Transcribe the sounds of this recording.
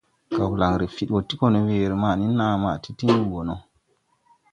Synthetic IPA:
ka˨wla˨ŋɾi˨fi˨ɗwo˨ti˦ko˦no˨weː˨ɾi˨ma˨ni˦nːa˦˨ma˨ti˦ti˦ni˦˨wo˨no˨

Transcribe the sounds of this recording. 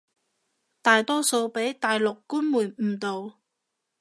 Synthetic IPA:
t̪aː˨jt̪ɔː˥so˧wpe˨˥jt̪aː˨jlʊ˨kːuː˥nmuː˨˩nmm̩˨˩t̪o˨˧w

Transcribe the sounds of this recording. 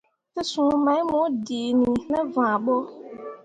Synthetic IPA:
tɪ˦sʊ̃˨˦mɛ̃˨˦mʊ̃˨˦di˨nĩ˨nɛ̃˦vã˨ɓo˦

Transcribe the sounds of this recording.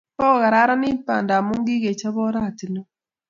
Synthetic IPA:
pɔ˦˨ɣa˨ɾa˦ɾa˦nɪ˦pa̰˨nda˨mu˦ŋɡɪ˦ɡe˨t͡ʃa˦bɔ˦ɾa˦˨ti˨nɔ˦

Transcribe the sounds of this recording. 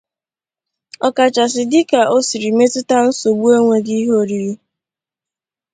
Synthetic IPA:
ɔ˨ka˨t͡ʃa˨s̬ɪ˨dɪ˦ka˨ʔo˦si˨ɾi˨me˦tɪ˦ta˦n̩˦so˨ɡ͡bu˦e˦ŋʷe˦ɡi˦ɦo˦ɾi˨ɾi˦

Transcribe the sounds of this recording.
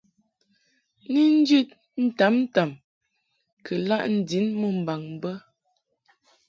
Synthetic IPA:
ni˦n̩˦d͡ʒʉ˦t̚ | n̩˦ta˨˦mn˦ta˨m | kʰə˨la˦ʔn̩˦˨di˨˦nmə˦˨m̩˨ba˨ŋm˨bə˦

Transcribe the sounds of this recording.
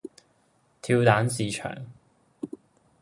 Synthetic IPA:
t̪ʰiː˧wt̪aː˨˥nsiː˨˧t͡ʃʰœ̰ː˨˩ŋ

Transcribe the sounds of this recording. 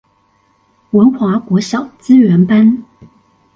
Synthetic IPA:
wə˧˥nxwa˧˥kwɔ˧˥ɕjɑ˨˩ʊt͡sɹ̩˥ɥɛ˧˥npa˥n

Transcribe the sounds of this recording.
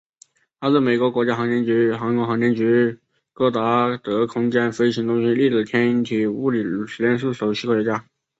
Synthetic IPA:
t̪ʰa˥t͡s̩˥˩me˨˩ɪkwɔ˧˥kwɔ˧˥t͡ɕja˥xɑ˧˥ŋt̪jɛ˧˥nt͡ɕy˧˥xɑ˧˥ŋkɔ˧˥xɑ˧˥ŋt̪ʰɛ˧˥nt͡ɕy˧˥ | kɤ˥˩t̪a˧˥t̪ɤ˧˥kʰʊ˥ŋt͡ɕjɛ˥˩nfe˥ɪɕi˧˥ŋt̪ʊ˥ŋɕi˥li˥˩ʈ͡ʂɻ̩˨˩t̪ʰjɛ˥ni˧˥nt̪ʰi˨˩u˥˩li˨˩˨ʂ̩˨˥ljɛ˥nʂu˥˩ʂo˨˩ʊɕʰi˥kt͡ɕja˥

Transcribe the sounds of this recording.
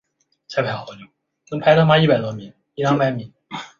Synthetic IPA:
t͡sʰa˥ɪpʰa˧˥ɪxɑ˨˧˩ʊt͡ɕu˧˩˦ | kɤ˥ŋpʰa˧˥ɪtʰma˥i˥˩pa˨˩ɪt̪wɔ˥mi˨˩˦ŋ | i˥ljɑ˥ŋba˨˧˥ɪmi˨˩˦n

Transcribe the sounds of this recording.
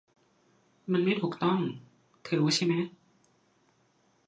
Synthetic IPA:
ma˧nma˥˩jt̪ʰuː˨˩k̚t̪ɔ˥˩ŋ | t̪ʰɯː˩˦t͡ɕʰa˥˩jmɛ˦˥

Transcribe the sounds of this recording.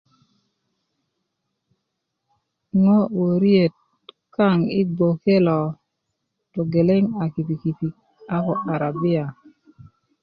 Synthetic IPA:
ŋɔ˦wo˨ɾje˨t̚ | ka˦˨ŋɪ˦ɡ͡bo˨ke˦lɔ˨ | tɔ˨ɡe˨le˦ŋa˨ki˨pi˨ki˨pi˨ | a˦kɔ˨ʔa˨ɾa˨bɪ˦a˨

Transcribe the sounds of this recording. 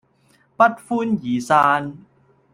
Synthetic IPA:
pa˧˥t̪̚fuː˧˥njiː˩˦saː˧n

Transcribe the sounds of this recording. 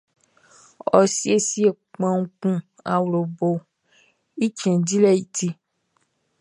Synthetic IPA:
ɔ˨si˦e˦si˦e˨ | k͡pã˨ŋũ˦kũ˦ | a̰˨wlo˨bo˨ | i˦t͡ʃɛ̃˨di˦lɛ˦˨ji˨ti˧

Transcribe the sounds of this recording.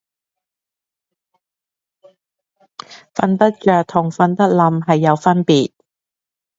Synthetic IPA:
fɐ˧nt̪ɐ˥t̚t͡ʃœː˨k̚t̪ʰʊ˨˩ŋfɐ˧nt̪ɐ˥t̚lɐ˨˧mɦɐ˨jːɐ˨˧wfɐ˥npiː˨t̚

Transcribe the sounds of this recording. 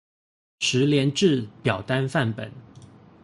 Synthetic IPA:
ʂɻ̩˧˥ljɛ˧˥nʈ͡ʂɻ̩˥˩pjɑ˨˩ʊt̪a˥˦nfa˥˩npə̰˨˩˦n

